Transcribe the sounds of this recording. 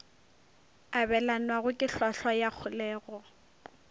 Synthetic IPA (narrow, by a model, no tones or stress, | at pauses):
abɛlanwaɣʊkʼɪɬɔɬwajak͡xʰʊlɛːɣɔ